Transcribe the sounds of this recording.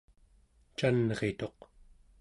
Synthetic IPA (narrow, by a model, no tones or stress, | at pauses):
t͡ʃanʁet̪o̞q